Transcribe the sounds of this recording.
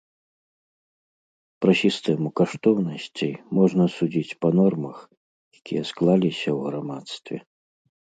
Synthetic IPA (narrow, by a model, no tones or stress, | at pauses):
pɾɐsʲist̪ɛmukaʂt̪ɔwnɐsʲt͡sʲijmɔʐnɐsud͡zʲit͡sʲpɐnɔrmɐx | jakʲijɐsklˠalʲisʲɐwɣɾamat̪st̪vʲɛ̰